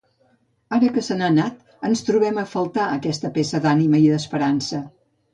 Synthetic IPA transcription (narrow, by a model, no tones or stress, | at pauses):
aɾəkəsənanat̪ | ənst̪ɾuβ̞ɛməfəlˠt̪aəkɛst̪əpesəd̪animəiðəspəɾansə